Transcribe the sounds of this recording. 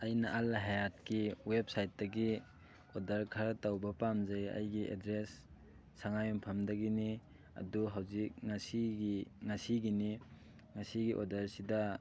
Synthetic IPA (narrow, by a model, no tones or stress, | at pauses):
ɐjnɐʔalːaɦajat̚kiwep̚sajt̚dɐɡi | odɐɾkʰɐɾatawbɐpamzajɐ̰jɡiʔḛdɾesː | aŋajɔmpʰɐmdɐɡini | ɐ̰duɦawzik̚ŋasiɡiŋasiɡini | ŋasiɡiʔɔdɐɾsidɐ